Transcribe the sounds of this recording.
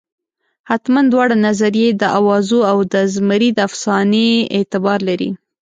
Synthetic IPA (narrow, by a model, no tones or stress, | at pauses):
hat̪mand̪wɑɽanazaɾjed̪əʔawɑzoawd̪əzməɾid̪afsɑneet̪ɪbɑɾlaɾḭ